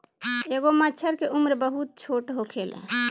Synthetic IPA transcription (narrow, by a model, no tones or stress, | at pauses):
eɡomət͡ʃʰəɾkeʔumɾbəɦut̪̚t͡ʃʰoʈɦokʰel̰